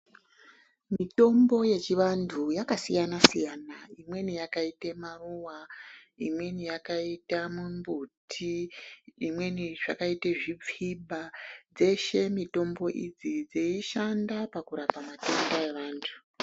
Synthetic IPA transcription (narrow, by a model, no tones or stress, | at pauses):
mito̞mbo̞je̞t͡ʃiʋantʰujakasijanasijanaimwe̞nijakaitemaruwa | imwe̞nijakaitamumbutʰiː | mwe̞niʐ̥akaiteʐip͡fiɓad͡ze̞ʃe̞mito̞mbo̞ʔid͡zid͡zeiʃandapakuɾapamatendae̞ʋaːntʰu̥